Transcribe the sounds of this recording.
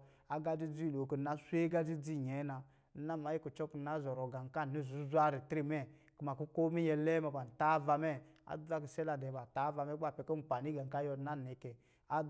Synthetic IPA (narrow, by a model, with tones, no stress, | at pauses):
a˦ɡa˦d͡ʒi˦d͡zi˦˨lo˨ki˨na˨˦sʷe˦ɡa˦d͡zi˦d͡zi˦˨ɲɛ˨˦na˧˦ | na˦ma˨˦i˦ku˨t͡ʃɔ˦kna˨˦zɔ˨ɾɔ˨ɡa˨ŋ˨ka˦˨ni˦˨zu˨˦zʷa˦ɾi˨tɾi˦mɛ˦˨ | kma˨ku˦ko˦mi˦jɛ˧lɛ˦ma˧ba˨n̩˨ta˦va˧mɛ˦a̰˨da˦ki˨sɛ˦la˧˨dɛ˨ba˨ta˨˦va˧mɛ˦ɡ͡ba˦˨pɛ˨˦kɔ˦m̩˨pa˨ni˦ɡa˨ŋ˨ka˦jɔ˧˦na˦˨nɛ˨˦kɛ˨ | a˦